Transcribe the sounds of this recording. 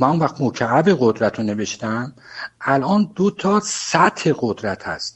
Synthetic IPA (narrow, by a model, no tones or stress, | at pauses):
mænonvæxχt̪mocʰææbeɣod̪ɾæt̪ʰone̞ve̞ʃt̪æmælʔɒːnd̪ot̪ʰɒːsæt̪he̞ɣod̪ɾæt̪ʰæ̰st̪